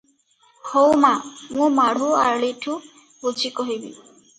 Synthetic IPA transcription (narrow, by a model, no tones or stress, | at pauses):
howmamũmaɽ̤ʱuaɹlitʰu | bod͡ʒikoɦibḭ